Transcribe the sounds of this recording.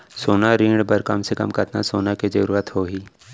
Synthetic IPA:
soːnaɾĩːɽbəɾkɐmsekə̰mkət̪na̰soːnaked͡ʒəɾuːɾət̪hoːɦiː

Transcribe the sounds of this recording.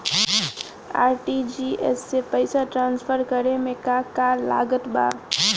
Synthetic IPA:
a̰ːɾʈid͡ʒiːɛ̰sːepəɪsaʈɾãːnsfʰəɾkəɾemẽkakala̰ːɡət̪ba̰ː

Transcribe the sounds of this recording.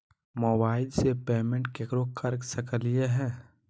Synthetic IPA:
moːbaːɪlsepeːmẽɳʈkekɾokʰəɾksəkəlijeɦɛ̃ː

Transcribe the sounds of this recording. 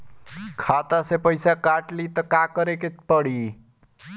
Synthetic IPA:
kʰat̪asepəjsakaʈlit̪ɔkakʌɾekepəɽi

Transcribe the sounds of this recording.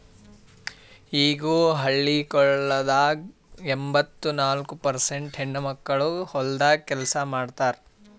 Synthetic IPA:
iːɡuːɦɐɭːikɔɭːɐd̪aːɡ | embɐt̪ːunaːlkupɐɾseɳʈɦeɳːumɐkːɐɭuhɔld̪aːkɛlɐsɐmaːɖt̪aːɾ

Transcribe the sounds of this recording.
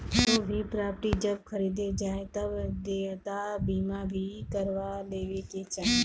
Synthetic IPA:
t̪oːbʱiːpɾaːpʈiːd͡ʒəbkʰəɾiːd̪ed͡ʒaːet̪əbd̪et̪abiːmãbʱiːkəɾʋaleːʋeket͡ʃaːɦe

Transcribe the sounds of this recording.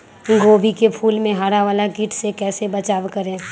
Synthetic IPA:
ɡoːbikepʰuːlmẽɦaːɾaʋaːlakiːʈʰsekɛːsebət͡ʃaːʋkəɾẽː

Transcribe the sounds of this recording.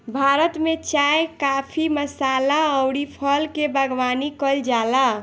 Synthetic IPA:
bʱaɾət̪met͡ʃajkapʰiməsalaəwɽipʰəlkebʱəɡʋanikəld͡ʒala

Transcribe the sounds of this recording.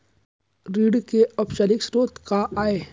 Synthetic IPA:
ɾiːɽkeɐbʃəlɪksɾoːt̪kaʔaːeː

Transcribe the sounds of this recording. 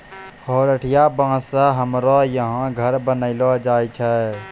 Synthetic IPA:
hɔːɾəʈʰijabãːsaɦəmɾɔjəɦãɡʱəɾbənəɪlɔd͡ʒaːit͡ʃʰɛ

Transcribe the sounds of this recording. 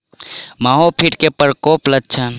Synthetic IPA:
maɦopʰiʈkepəɾkopləd̚t͡ʃʰən

